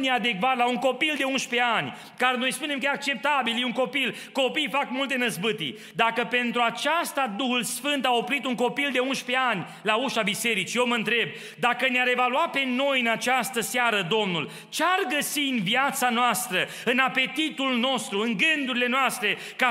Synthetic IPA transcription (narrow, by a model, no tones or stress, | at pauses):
nead̪e̞kvat̪lauŋko̞pild̪e̞unʃpe̞anʲ | kaɾeno̞jspune̞mkəeak̚t͡ʃe̞p̚t̪abiljeuŋko̞pil | ko̞pijfakmult̪e̞nəzbɨt̪ḭ | d̪akəpe̞nt̪ɾuat͡ʃast̪ad̪uhulsfɨnt̪ao̞pɾit̪uŋko̞pild̪e̞unʃpe̞anʲ | lauʃabise̞ɾit͡ʃijewməɨnt̪ɾe̞b̚ | d̪akəneaɾe̞valuat̪̚pe̞no̞jɨnat͡ʃast̪əseaɾəd̪o̞mnul | t͡ʃearɡəsinvjat̪sanoast̪ɾə | ɨnape̞t̪it̪ulno̞st̪ɾuɨŋɡɨnd̪uɾile̞noast̪ɾe̞ | ka